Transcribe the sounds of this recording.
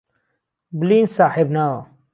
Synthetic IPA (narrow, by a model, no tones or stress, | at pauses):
bliːnsaːhibnao